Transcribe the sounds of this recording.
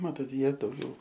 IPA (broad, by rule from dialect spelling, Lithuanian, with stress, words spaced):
ˈmɑːtoːt ˈjiɛ dɐʊˈɡʲɛʊ